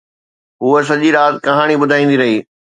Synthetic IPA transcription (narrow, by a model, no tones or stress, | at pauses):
ɦuəs̬ɐʄiɾaːt̪kɐɦaːɽ̃ibʊd̪ʱaːĩːnd̪iɾɐɦiː